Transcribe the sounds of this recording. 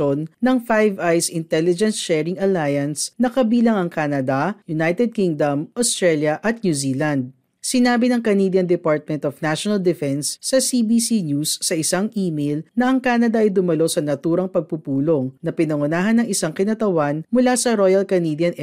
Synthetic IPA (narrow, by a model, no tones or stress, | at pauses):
onːɐŋfajvajsɪnt̪ɛlɪd͡ʒɛnsʃɛɹɪŋɐlajɐnsnɐkɐbiːlɐŋɐŋkaːnɐd̪ɐjʊnajt̪ɛd̪̚kiŋd̪ɐmʔost̪ɹɛljɐʔɐt̪̚nuzilɐnd̪̚ | sɪnaːbɪnɐŋkɐniːd̪jɐnd̪ɛpaɹt̪̚mɛ̃nt̪ofnaʃonɐld̪ɛfɛnsːɐsibisinjusːɐʔɪsaŋʔiːmejlnɐʔɐŋkaːnɐd̪ɐʔɐjd̪ʊmɐlo̞sɐnɐt̪uːɾɐŋpɐɡ̚pupuːloŋnɐpɪnɐŋʊnaːɦɐnːɐŋʔɪsaŋkɪnɐt̪ɐwanmʊlasɐɾojɐlkɐnid̪jɐnʔ